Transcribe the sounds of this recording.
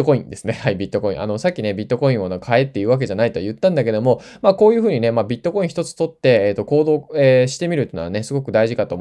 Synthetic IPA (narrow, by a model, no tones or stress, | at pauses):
okoḭ̃nd̪e̞sɨne̞haibʲit̪ːo̞ko̞ḭ̃ʔa̰no̞sakʲːine̞bʲit̪ːo̞ko̞ĩɰ̃onekʰae̞t̪ːe̞jiɯ̟ːβak̬e̞ʑanait̪o̞jɯ̟t̪ːãnd̪ake̞d̪o̞mo̞ | mako̞ːjɯ̟ɸɯ̟ːɲ̟ine̞mabʲit̪ːo̞ko̞ĩçi̥t̪o̞t͡sɨ̥t̪o̞t̪ːe̞ːt̪ːo̞ko̞ːd̪o̞ːeɕi̥t̪e̞mʲiɾɯ̟t̪ːena̰ne̞sɨɡo̞kɯ̟d̪aiʑikat̪o̞ː